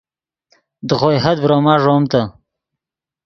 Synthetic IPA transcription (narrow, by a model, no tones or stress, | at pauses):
d̪əɣojɦɐd̪̚bɾoːmɑːʐoːmt̪a